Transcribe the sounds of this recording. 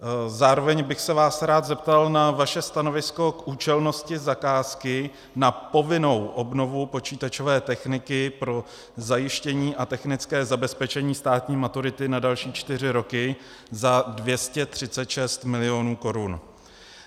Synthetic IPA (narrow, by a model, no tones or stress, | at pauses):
zaːɾo̞vɛɲbɪxsɛvaːsɾaːt̪zɛp̚t̪alnavaʃɛst̪ano̞vɪsko̞kʔuːt͡ʃɛlno̞scɪzakaːskɪ | napo̞vɪno̞wʔo̞bno̞vupo̞t͡ʃiːt̪at͡ʃo̞vɛːt̪ɛxnɪkɪpɾo̞ | zajɪʃcɛɲiːʔat̪ɛxnɪt͡skɛːzabɛspɛt͡ʃɛɲiːst̪aːt̪ɲiːmat̪uɾɪt̪ɪnadalʃiːt͡ʃt̪ɪr̝ɪɾo̞kɪ | zadvjɛscɛt̪r̝̥ɪt͡sɛt̪ʃɛst̪mɪlɪo̞nuːko̞ɾun